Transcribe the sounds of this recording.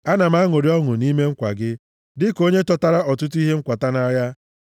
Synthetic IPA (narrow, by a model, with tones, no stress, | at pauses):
a˦na˨m̩˦a˦ŋo˨ɾi˦ɔ˦ŋʊ˨ni˦me˦ŋ̩˦kʷa̰˨ɡɪ˦ | dɪ˦ko˦ɲe˦tɔ˦ta˦ɾa˦ɔ˨tʊ˦tu˦i˦ɦe˦ŋ̩˦kʷa˨ta˦na˦ja˦